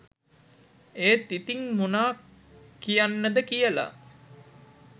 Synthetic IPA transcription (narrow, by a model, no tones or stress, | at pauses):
eːt̪it̪iŋmunaː | kijanːəd̪əkijəla̰